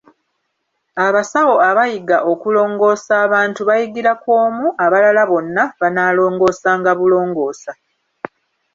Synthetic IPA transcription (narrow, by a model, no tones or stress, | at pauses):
aβasawo̞aβajiɡaʔo̞kulo̞ːŋɡo̞ːsaːβaːntuβajiɡiɾakwo̞ːmuʔaβalalaβo̞nːaβanaːlo̞ːŋɡo̞ːsaːŋɡaβulo̞ːŋɡo̞ːsa